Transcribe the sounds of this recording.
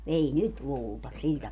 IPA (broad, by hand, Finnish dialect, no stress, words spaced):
ei nyt luːltɑ sil